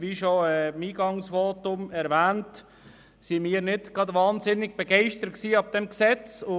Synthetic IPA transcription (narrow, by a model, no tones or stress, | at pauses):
ʋiːʃoɛmiːɡɑŋsʋoːtʊmɛɾvɛːnt | simiːɾnɪtɡ̥ɑdʋɑːnzɪnɪɡ̚b̥ɛɡɛɪʃtəɾət̚ksiːɑb̚d̥ɛmksɛt͡sʊ